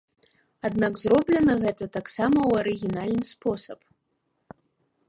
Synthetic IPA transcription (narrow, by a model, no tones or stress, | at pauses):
ad̪naɡzɾɔblʲɛnɐɣɛt̪ɐt̪aksamɐwɐɾɨɣʲinalʲnɨspɔsɐp